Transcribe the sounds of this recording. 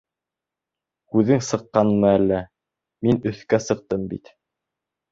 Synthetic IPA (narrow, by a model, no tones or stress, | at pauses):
hʉðɘŋsɤ̆qːɑnmɤælːæ | minɵ̆θkæsɤ̆q̚t̪ɤmbḭt̪